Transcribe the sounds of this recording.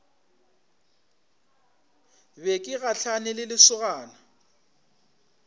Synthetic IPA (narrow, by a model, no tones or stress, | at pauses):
bekʼɪɣaɬʰanɪlɪlɪsʊɣaːna